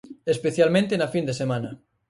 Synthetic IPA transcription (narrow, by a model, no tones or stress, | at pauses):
espeθjalmẽnt̪enafind̪esemãnɐ